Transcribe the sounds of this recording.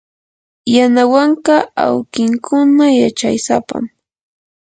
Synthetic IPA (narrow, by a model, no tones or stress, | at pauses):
janawaɴqɑa̰wkɪŋkʰʊnajat͡ʃajsapa̰m